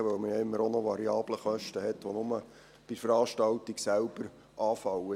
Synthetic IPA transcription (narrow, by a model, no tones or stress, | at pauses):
əʋœwməjɑɪmːəɾonɔʋɑɾiɑːbləχœʃtəhɛtːʋonʊmə | b̥ifəɾɑːʃtɑltiɡsælb̥əɾ | ʔɑːfɑwə